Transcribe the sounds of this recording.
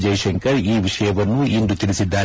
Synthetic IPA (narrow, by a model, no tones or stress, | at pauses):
d͡ʒɐjʂɛŋkɐɾiːʋiʂɐjɐʋɐnːuind̪ut̪iɭisid̪ːaː